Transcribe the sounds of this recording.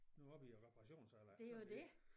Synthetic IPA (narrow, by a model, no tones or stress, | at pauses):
noɒb̥iʁɛpʰɑʁɑɕo̝̰ːn̩sɑlad̥e̝jjod̥e